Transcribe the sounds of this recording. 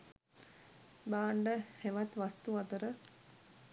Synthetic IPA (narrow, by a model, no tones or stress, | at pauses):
baːɳɖəheʋat̪ʋast̪uat̪əɾə